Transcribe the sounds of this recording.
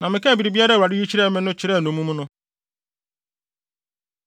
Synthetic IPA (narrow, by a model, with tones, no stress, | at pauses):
nã˨mɪ̃˨kɛ˦˨bi˨ɾi˨bi˦a˦ɾa˦˨wa˨dɪ˦u˦t͡ɕɪ˦ɾɛ˦˨˦mɛ̃˦nʊ̃˦t͡ɕɪ˨ɾɛ˦˨nʊ̃˨mũ˦mũ˦nʊ̃˦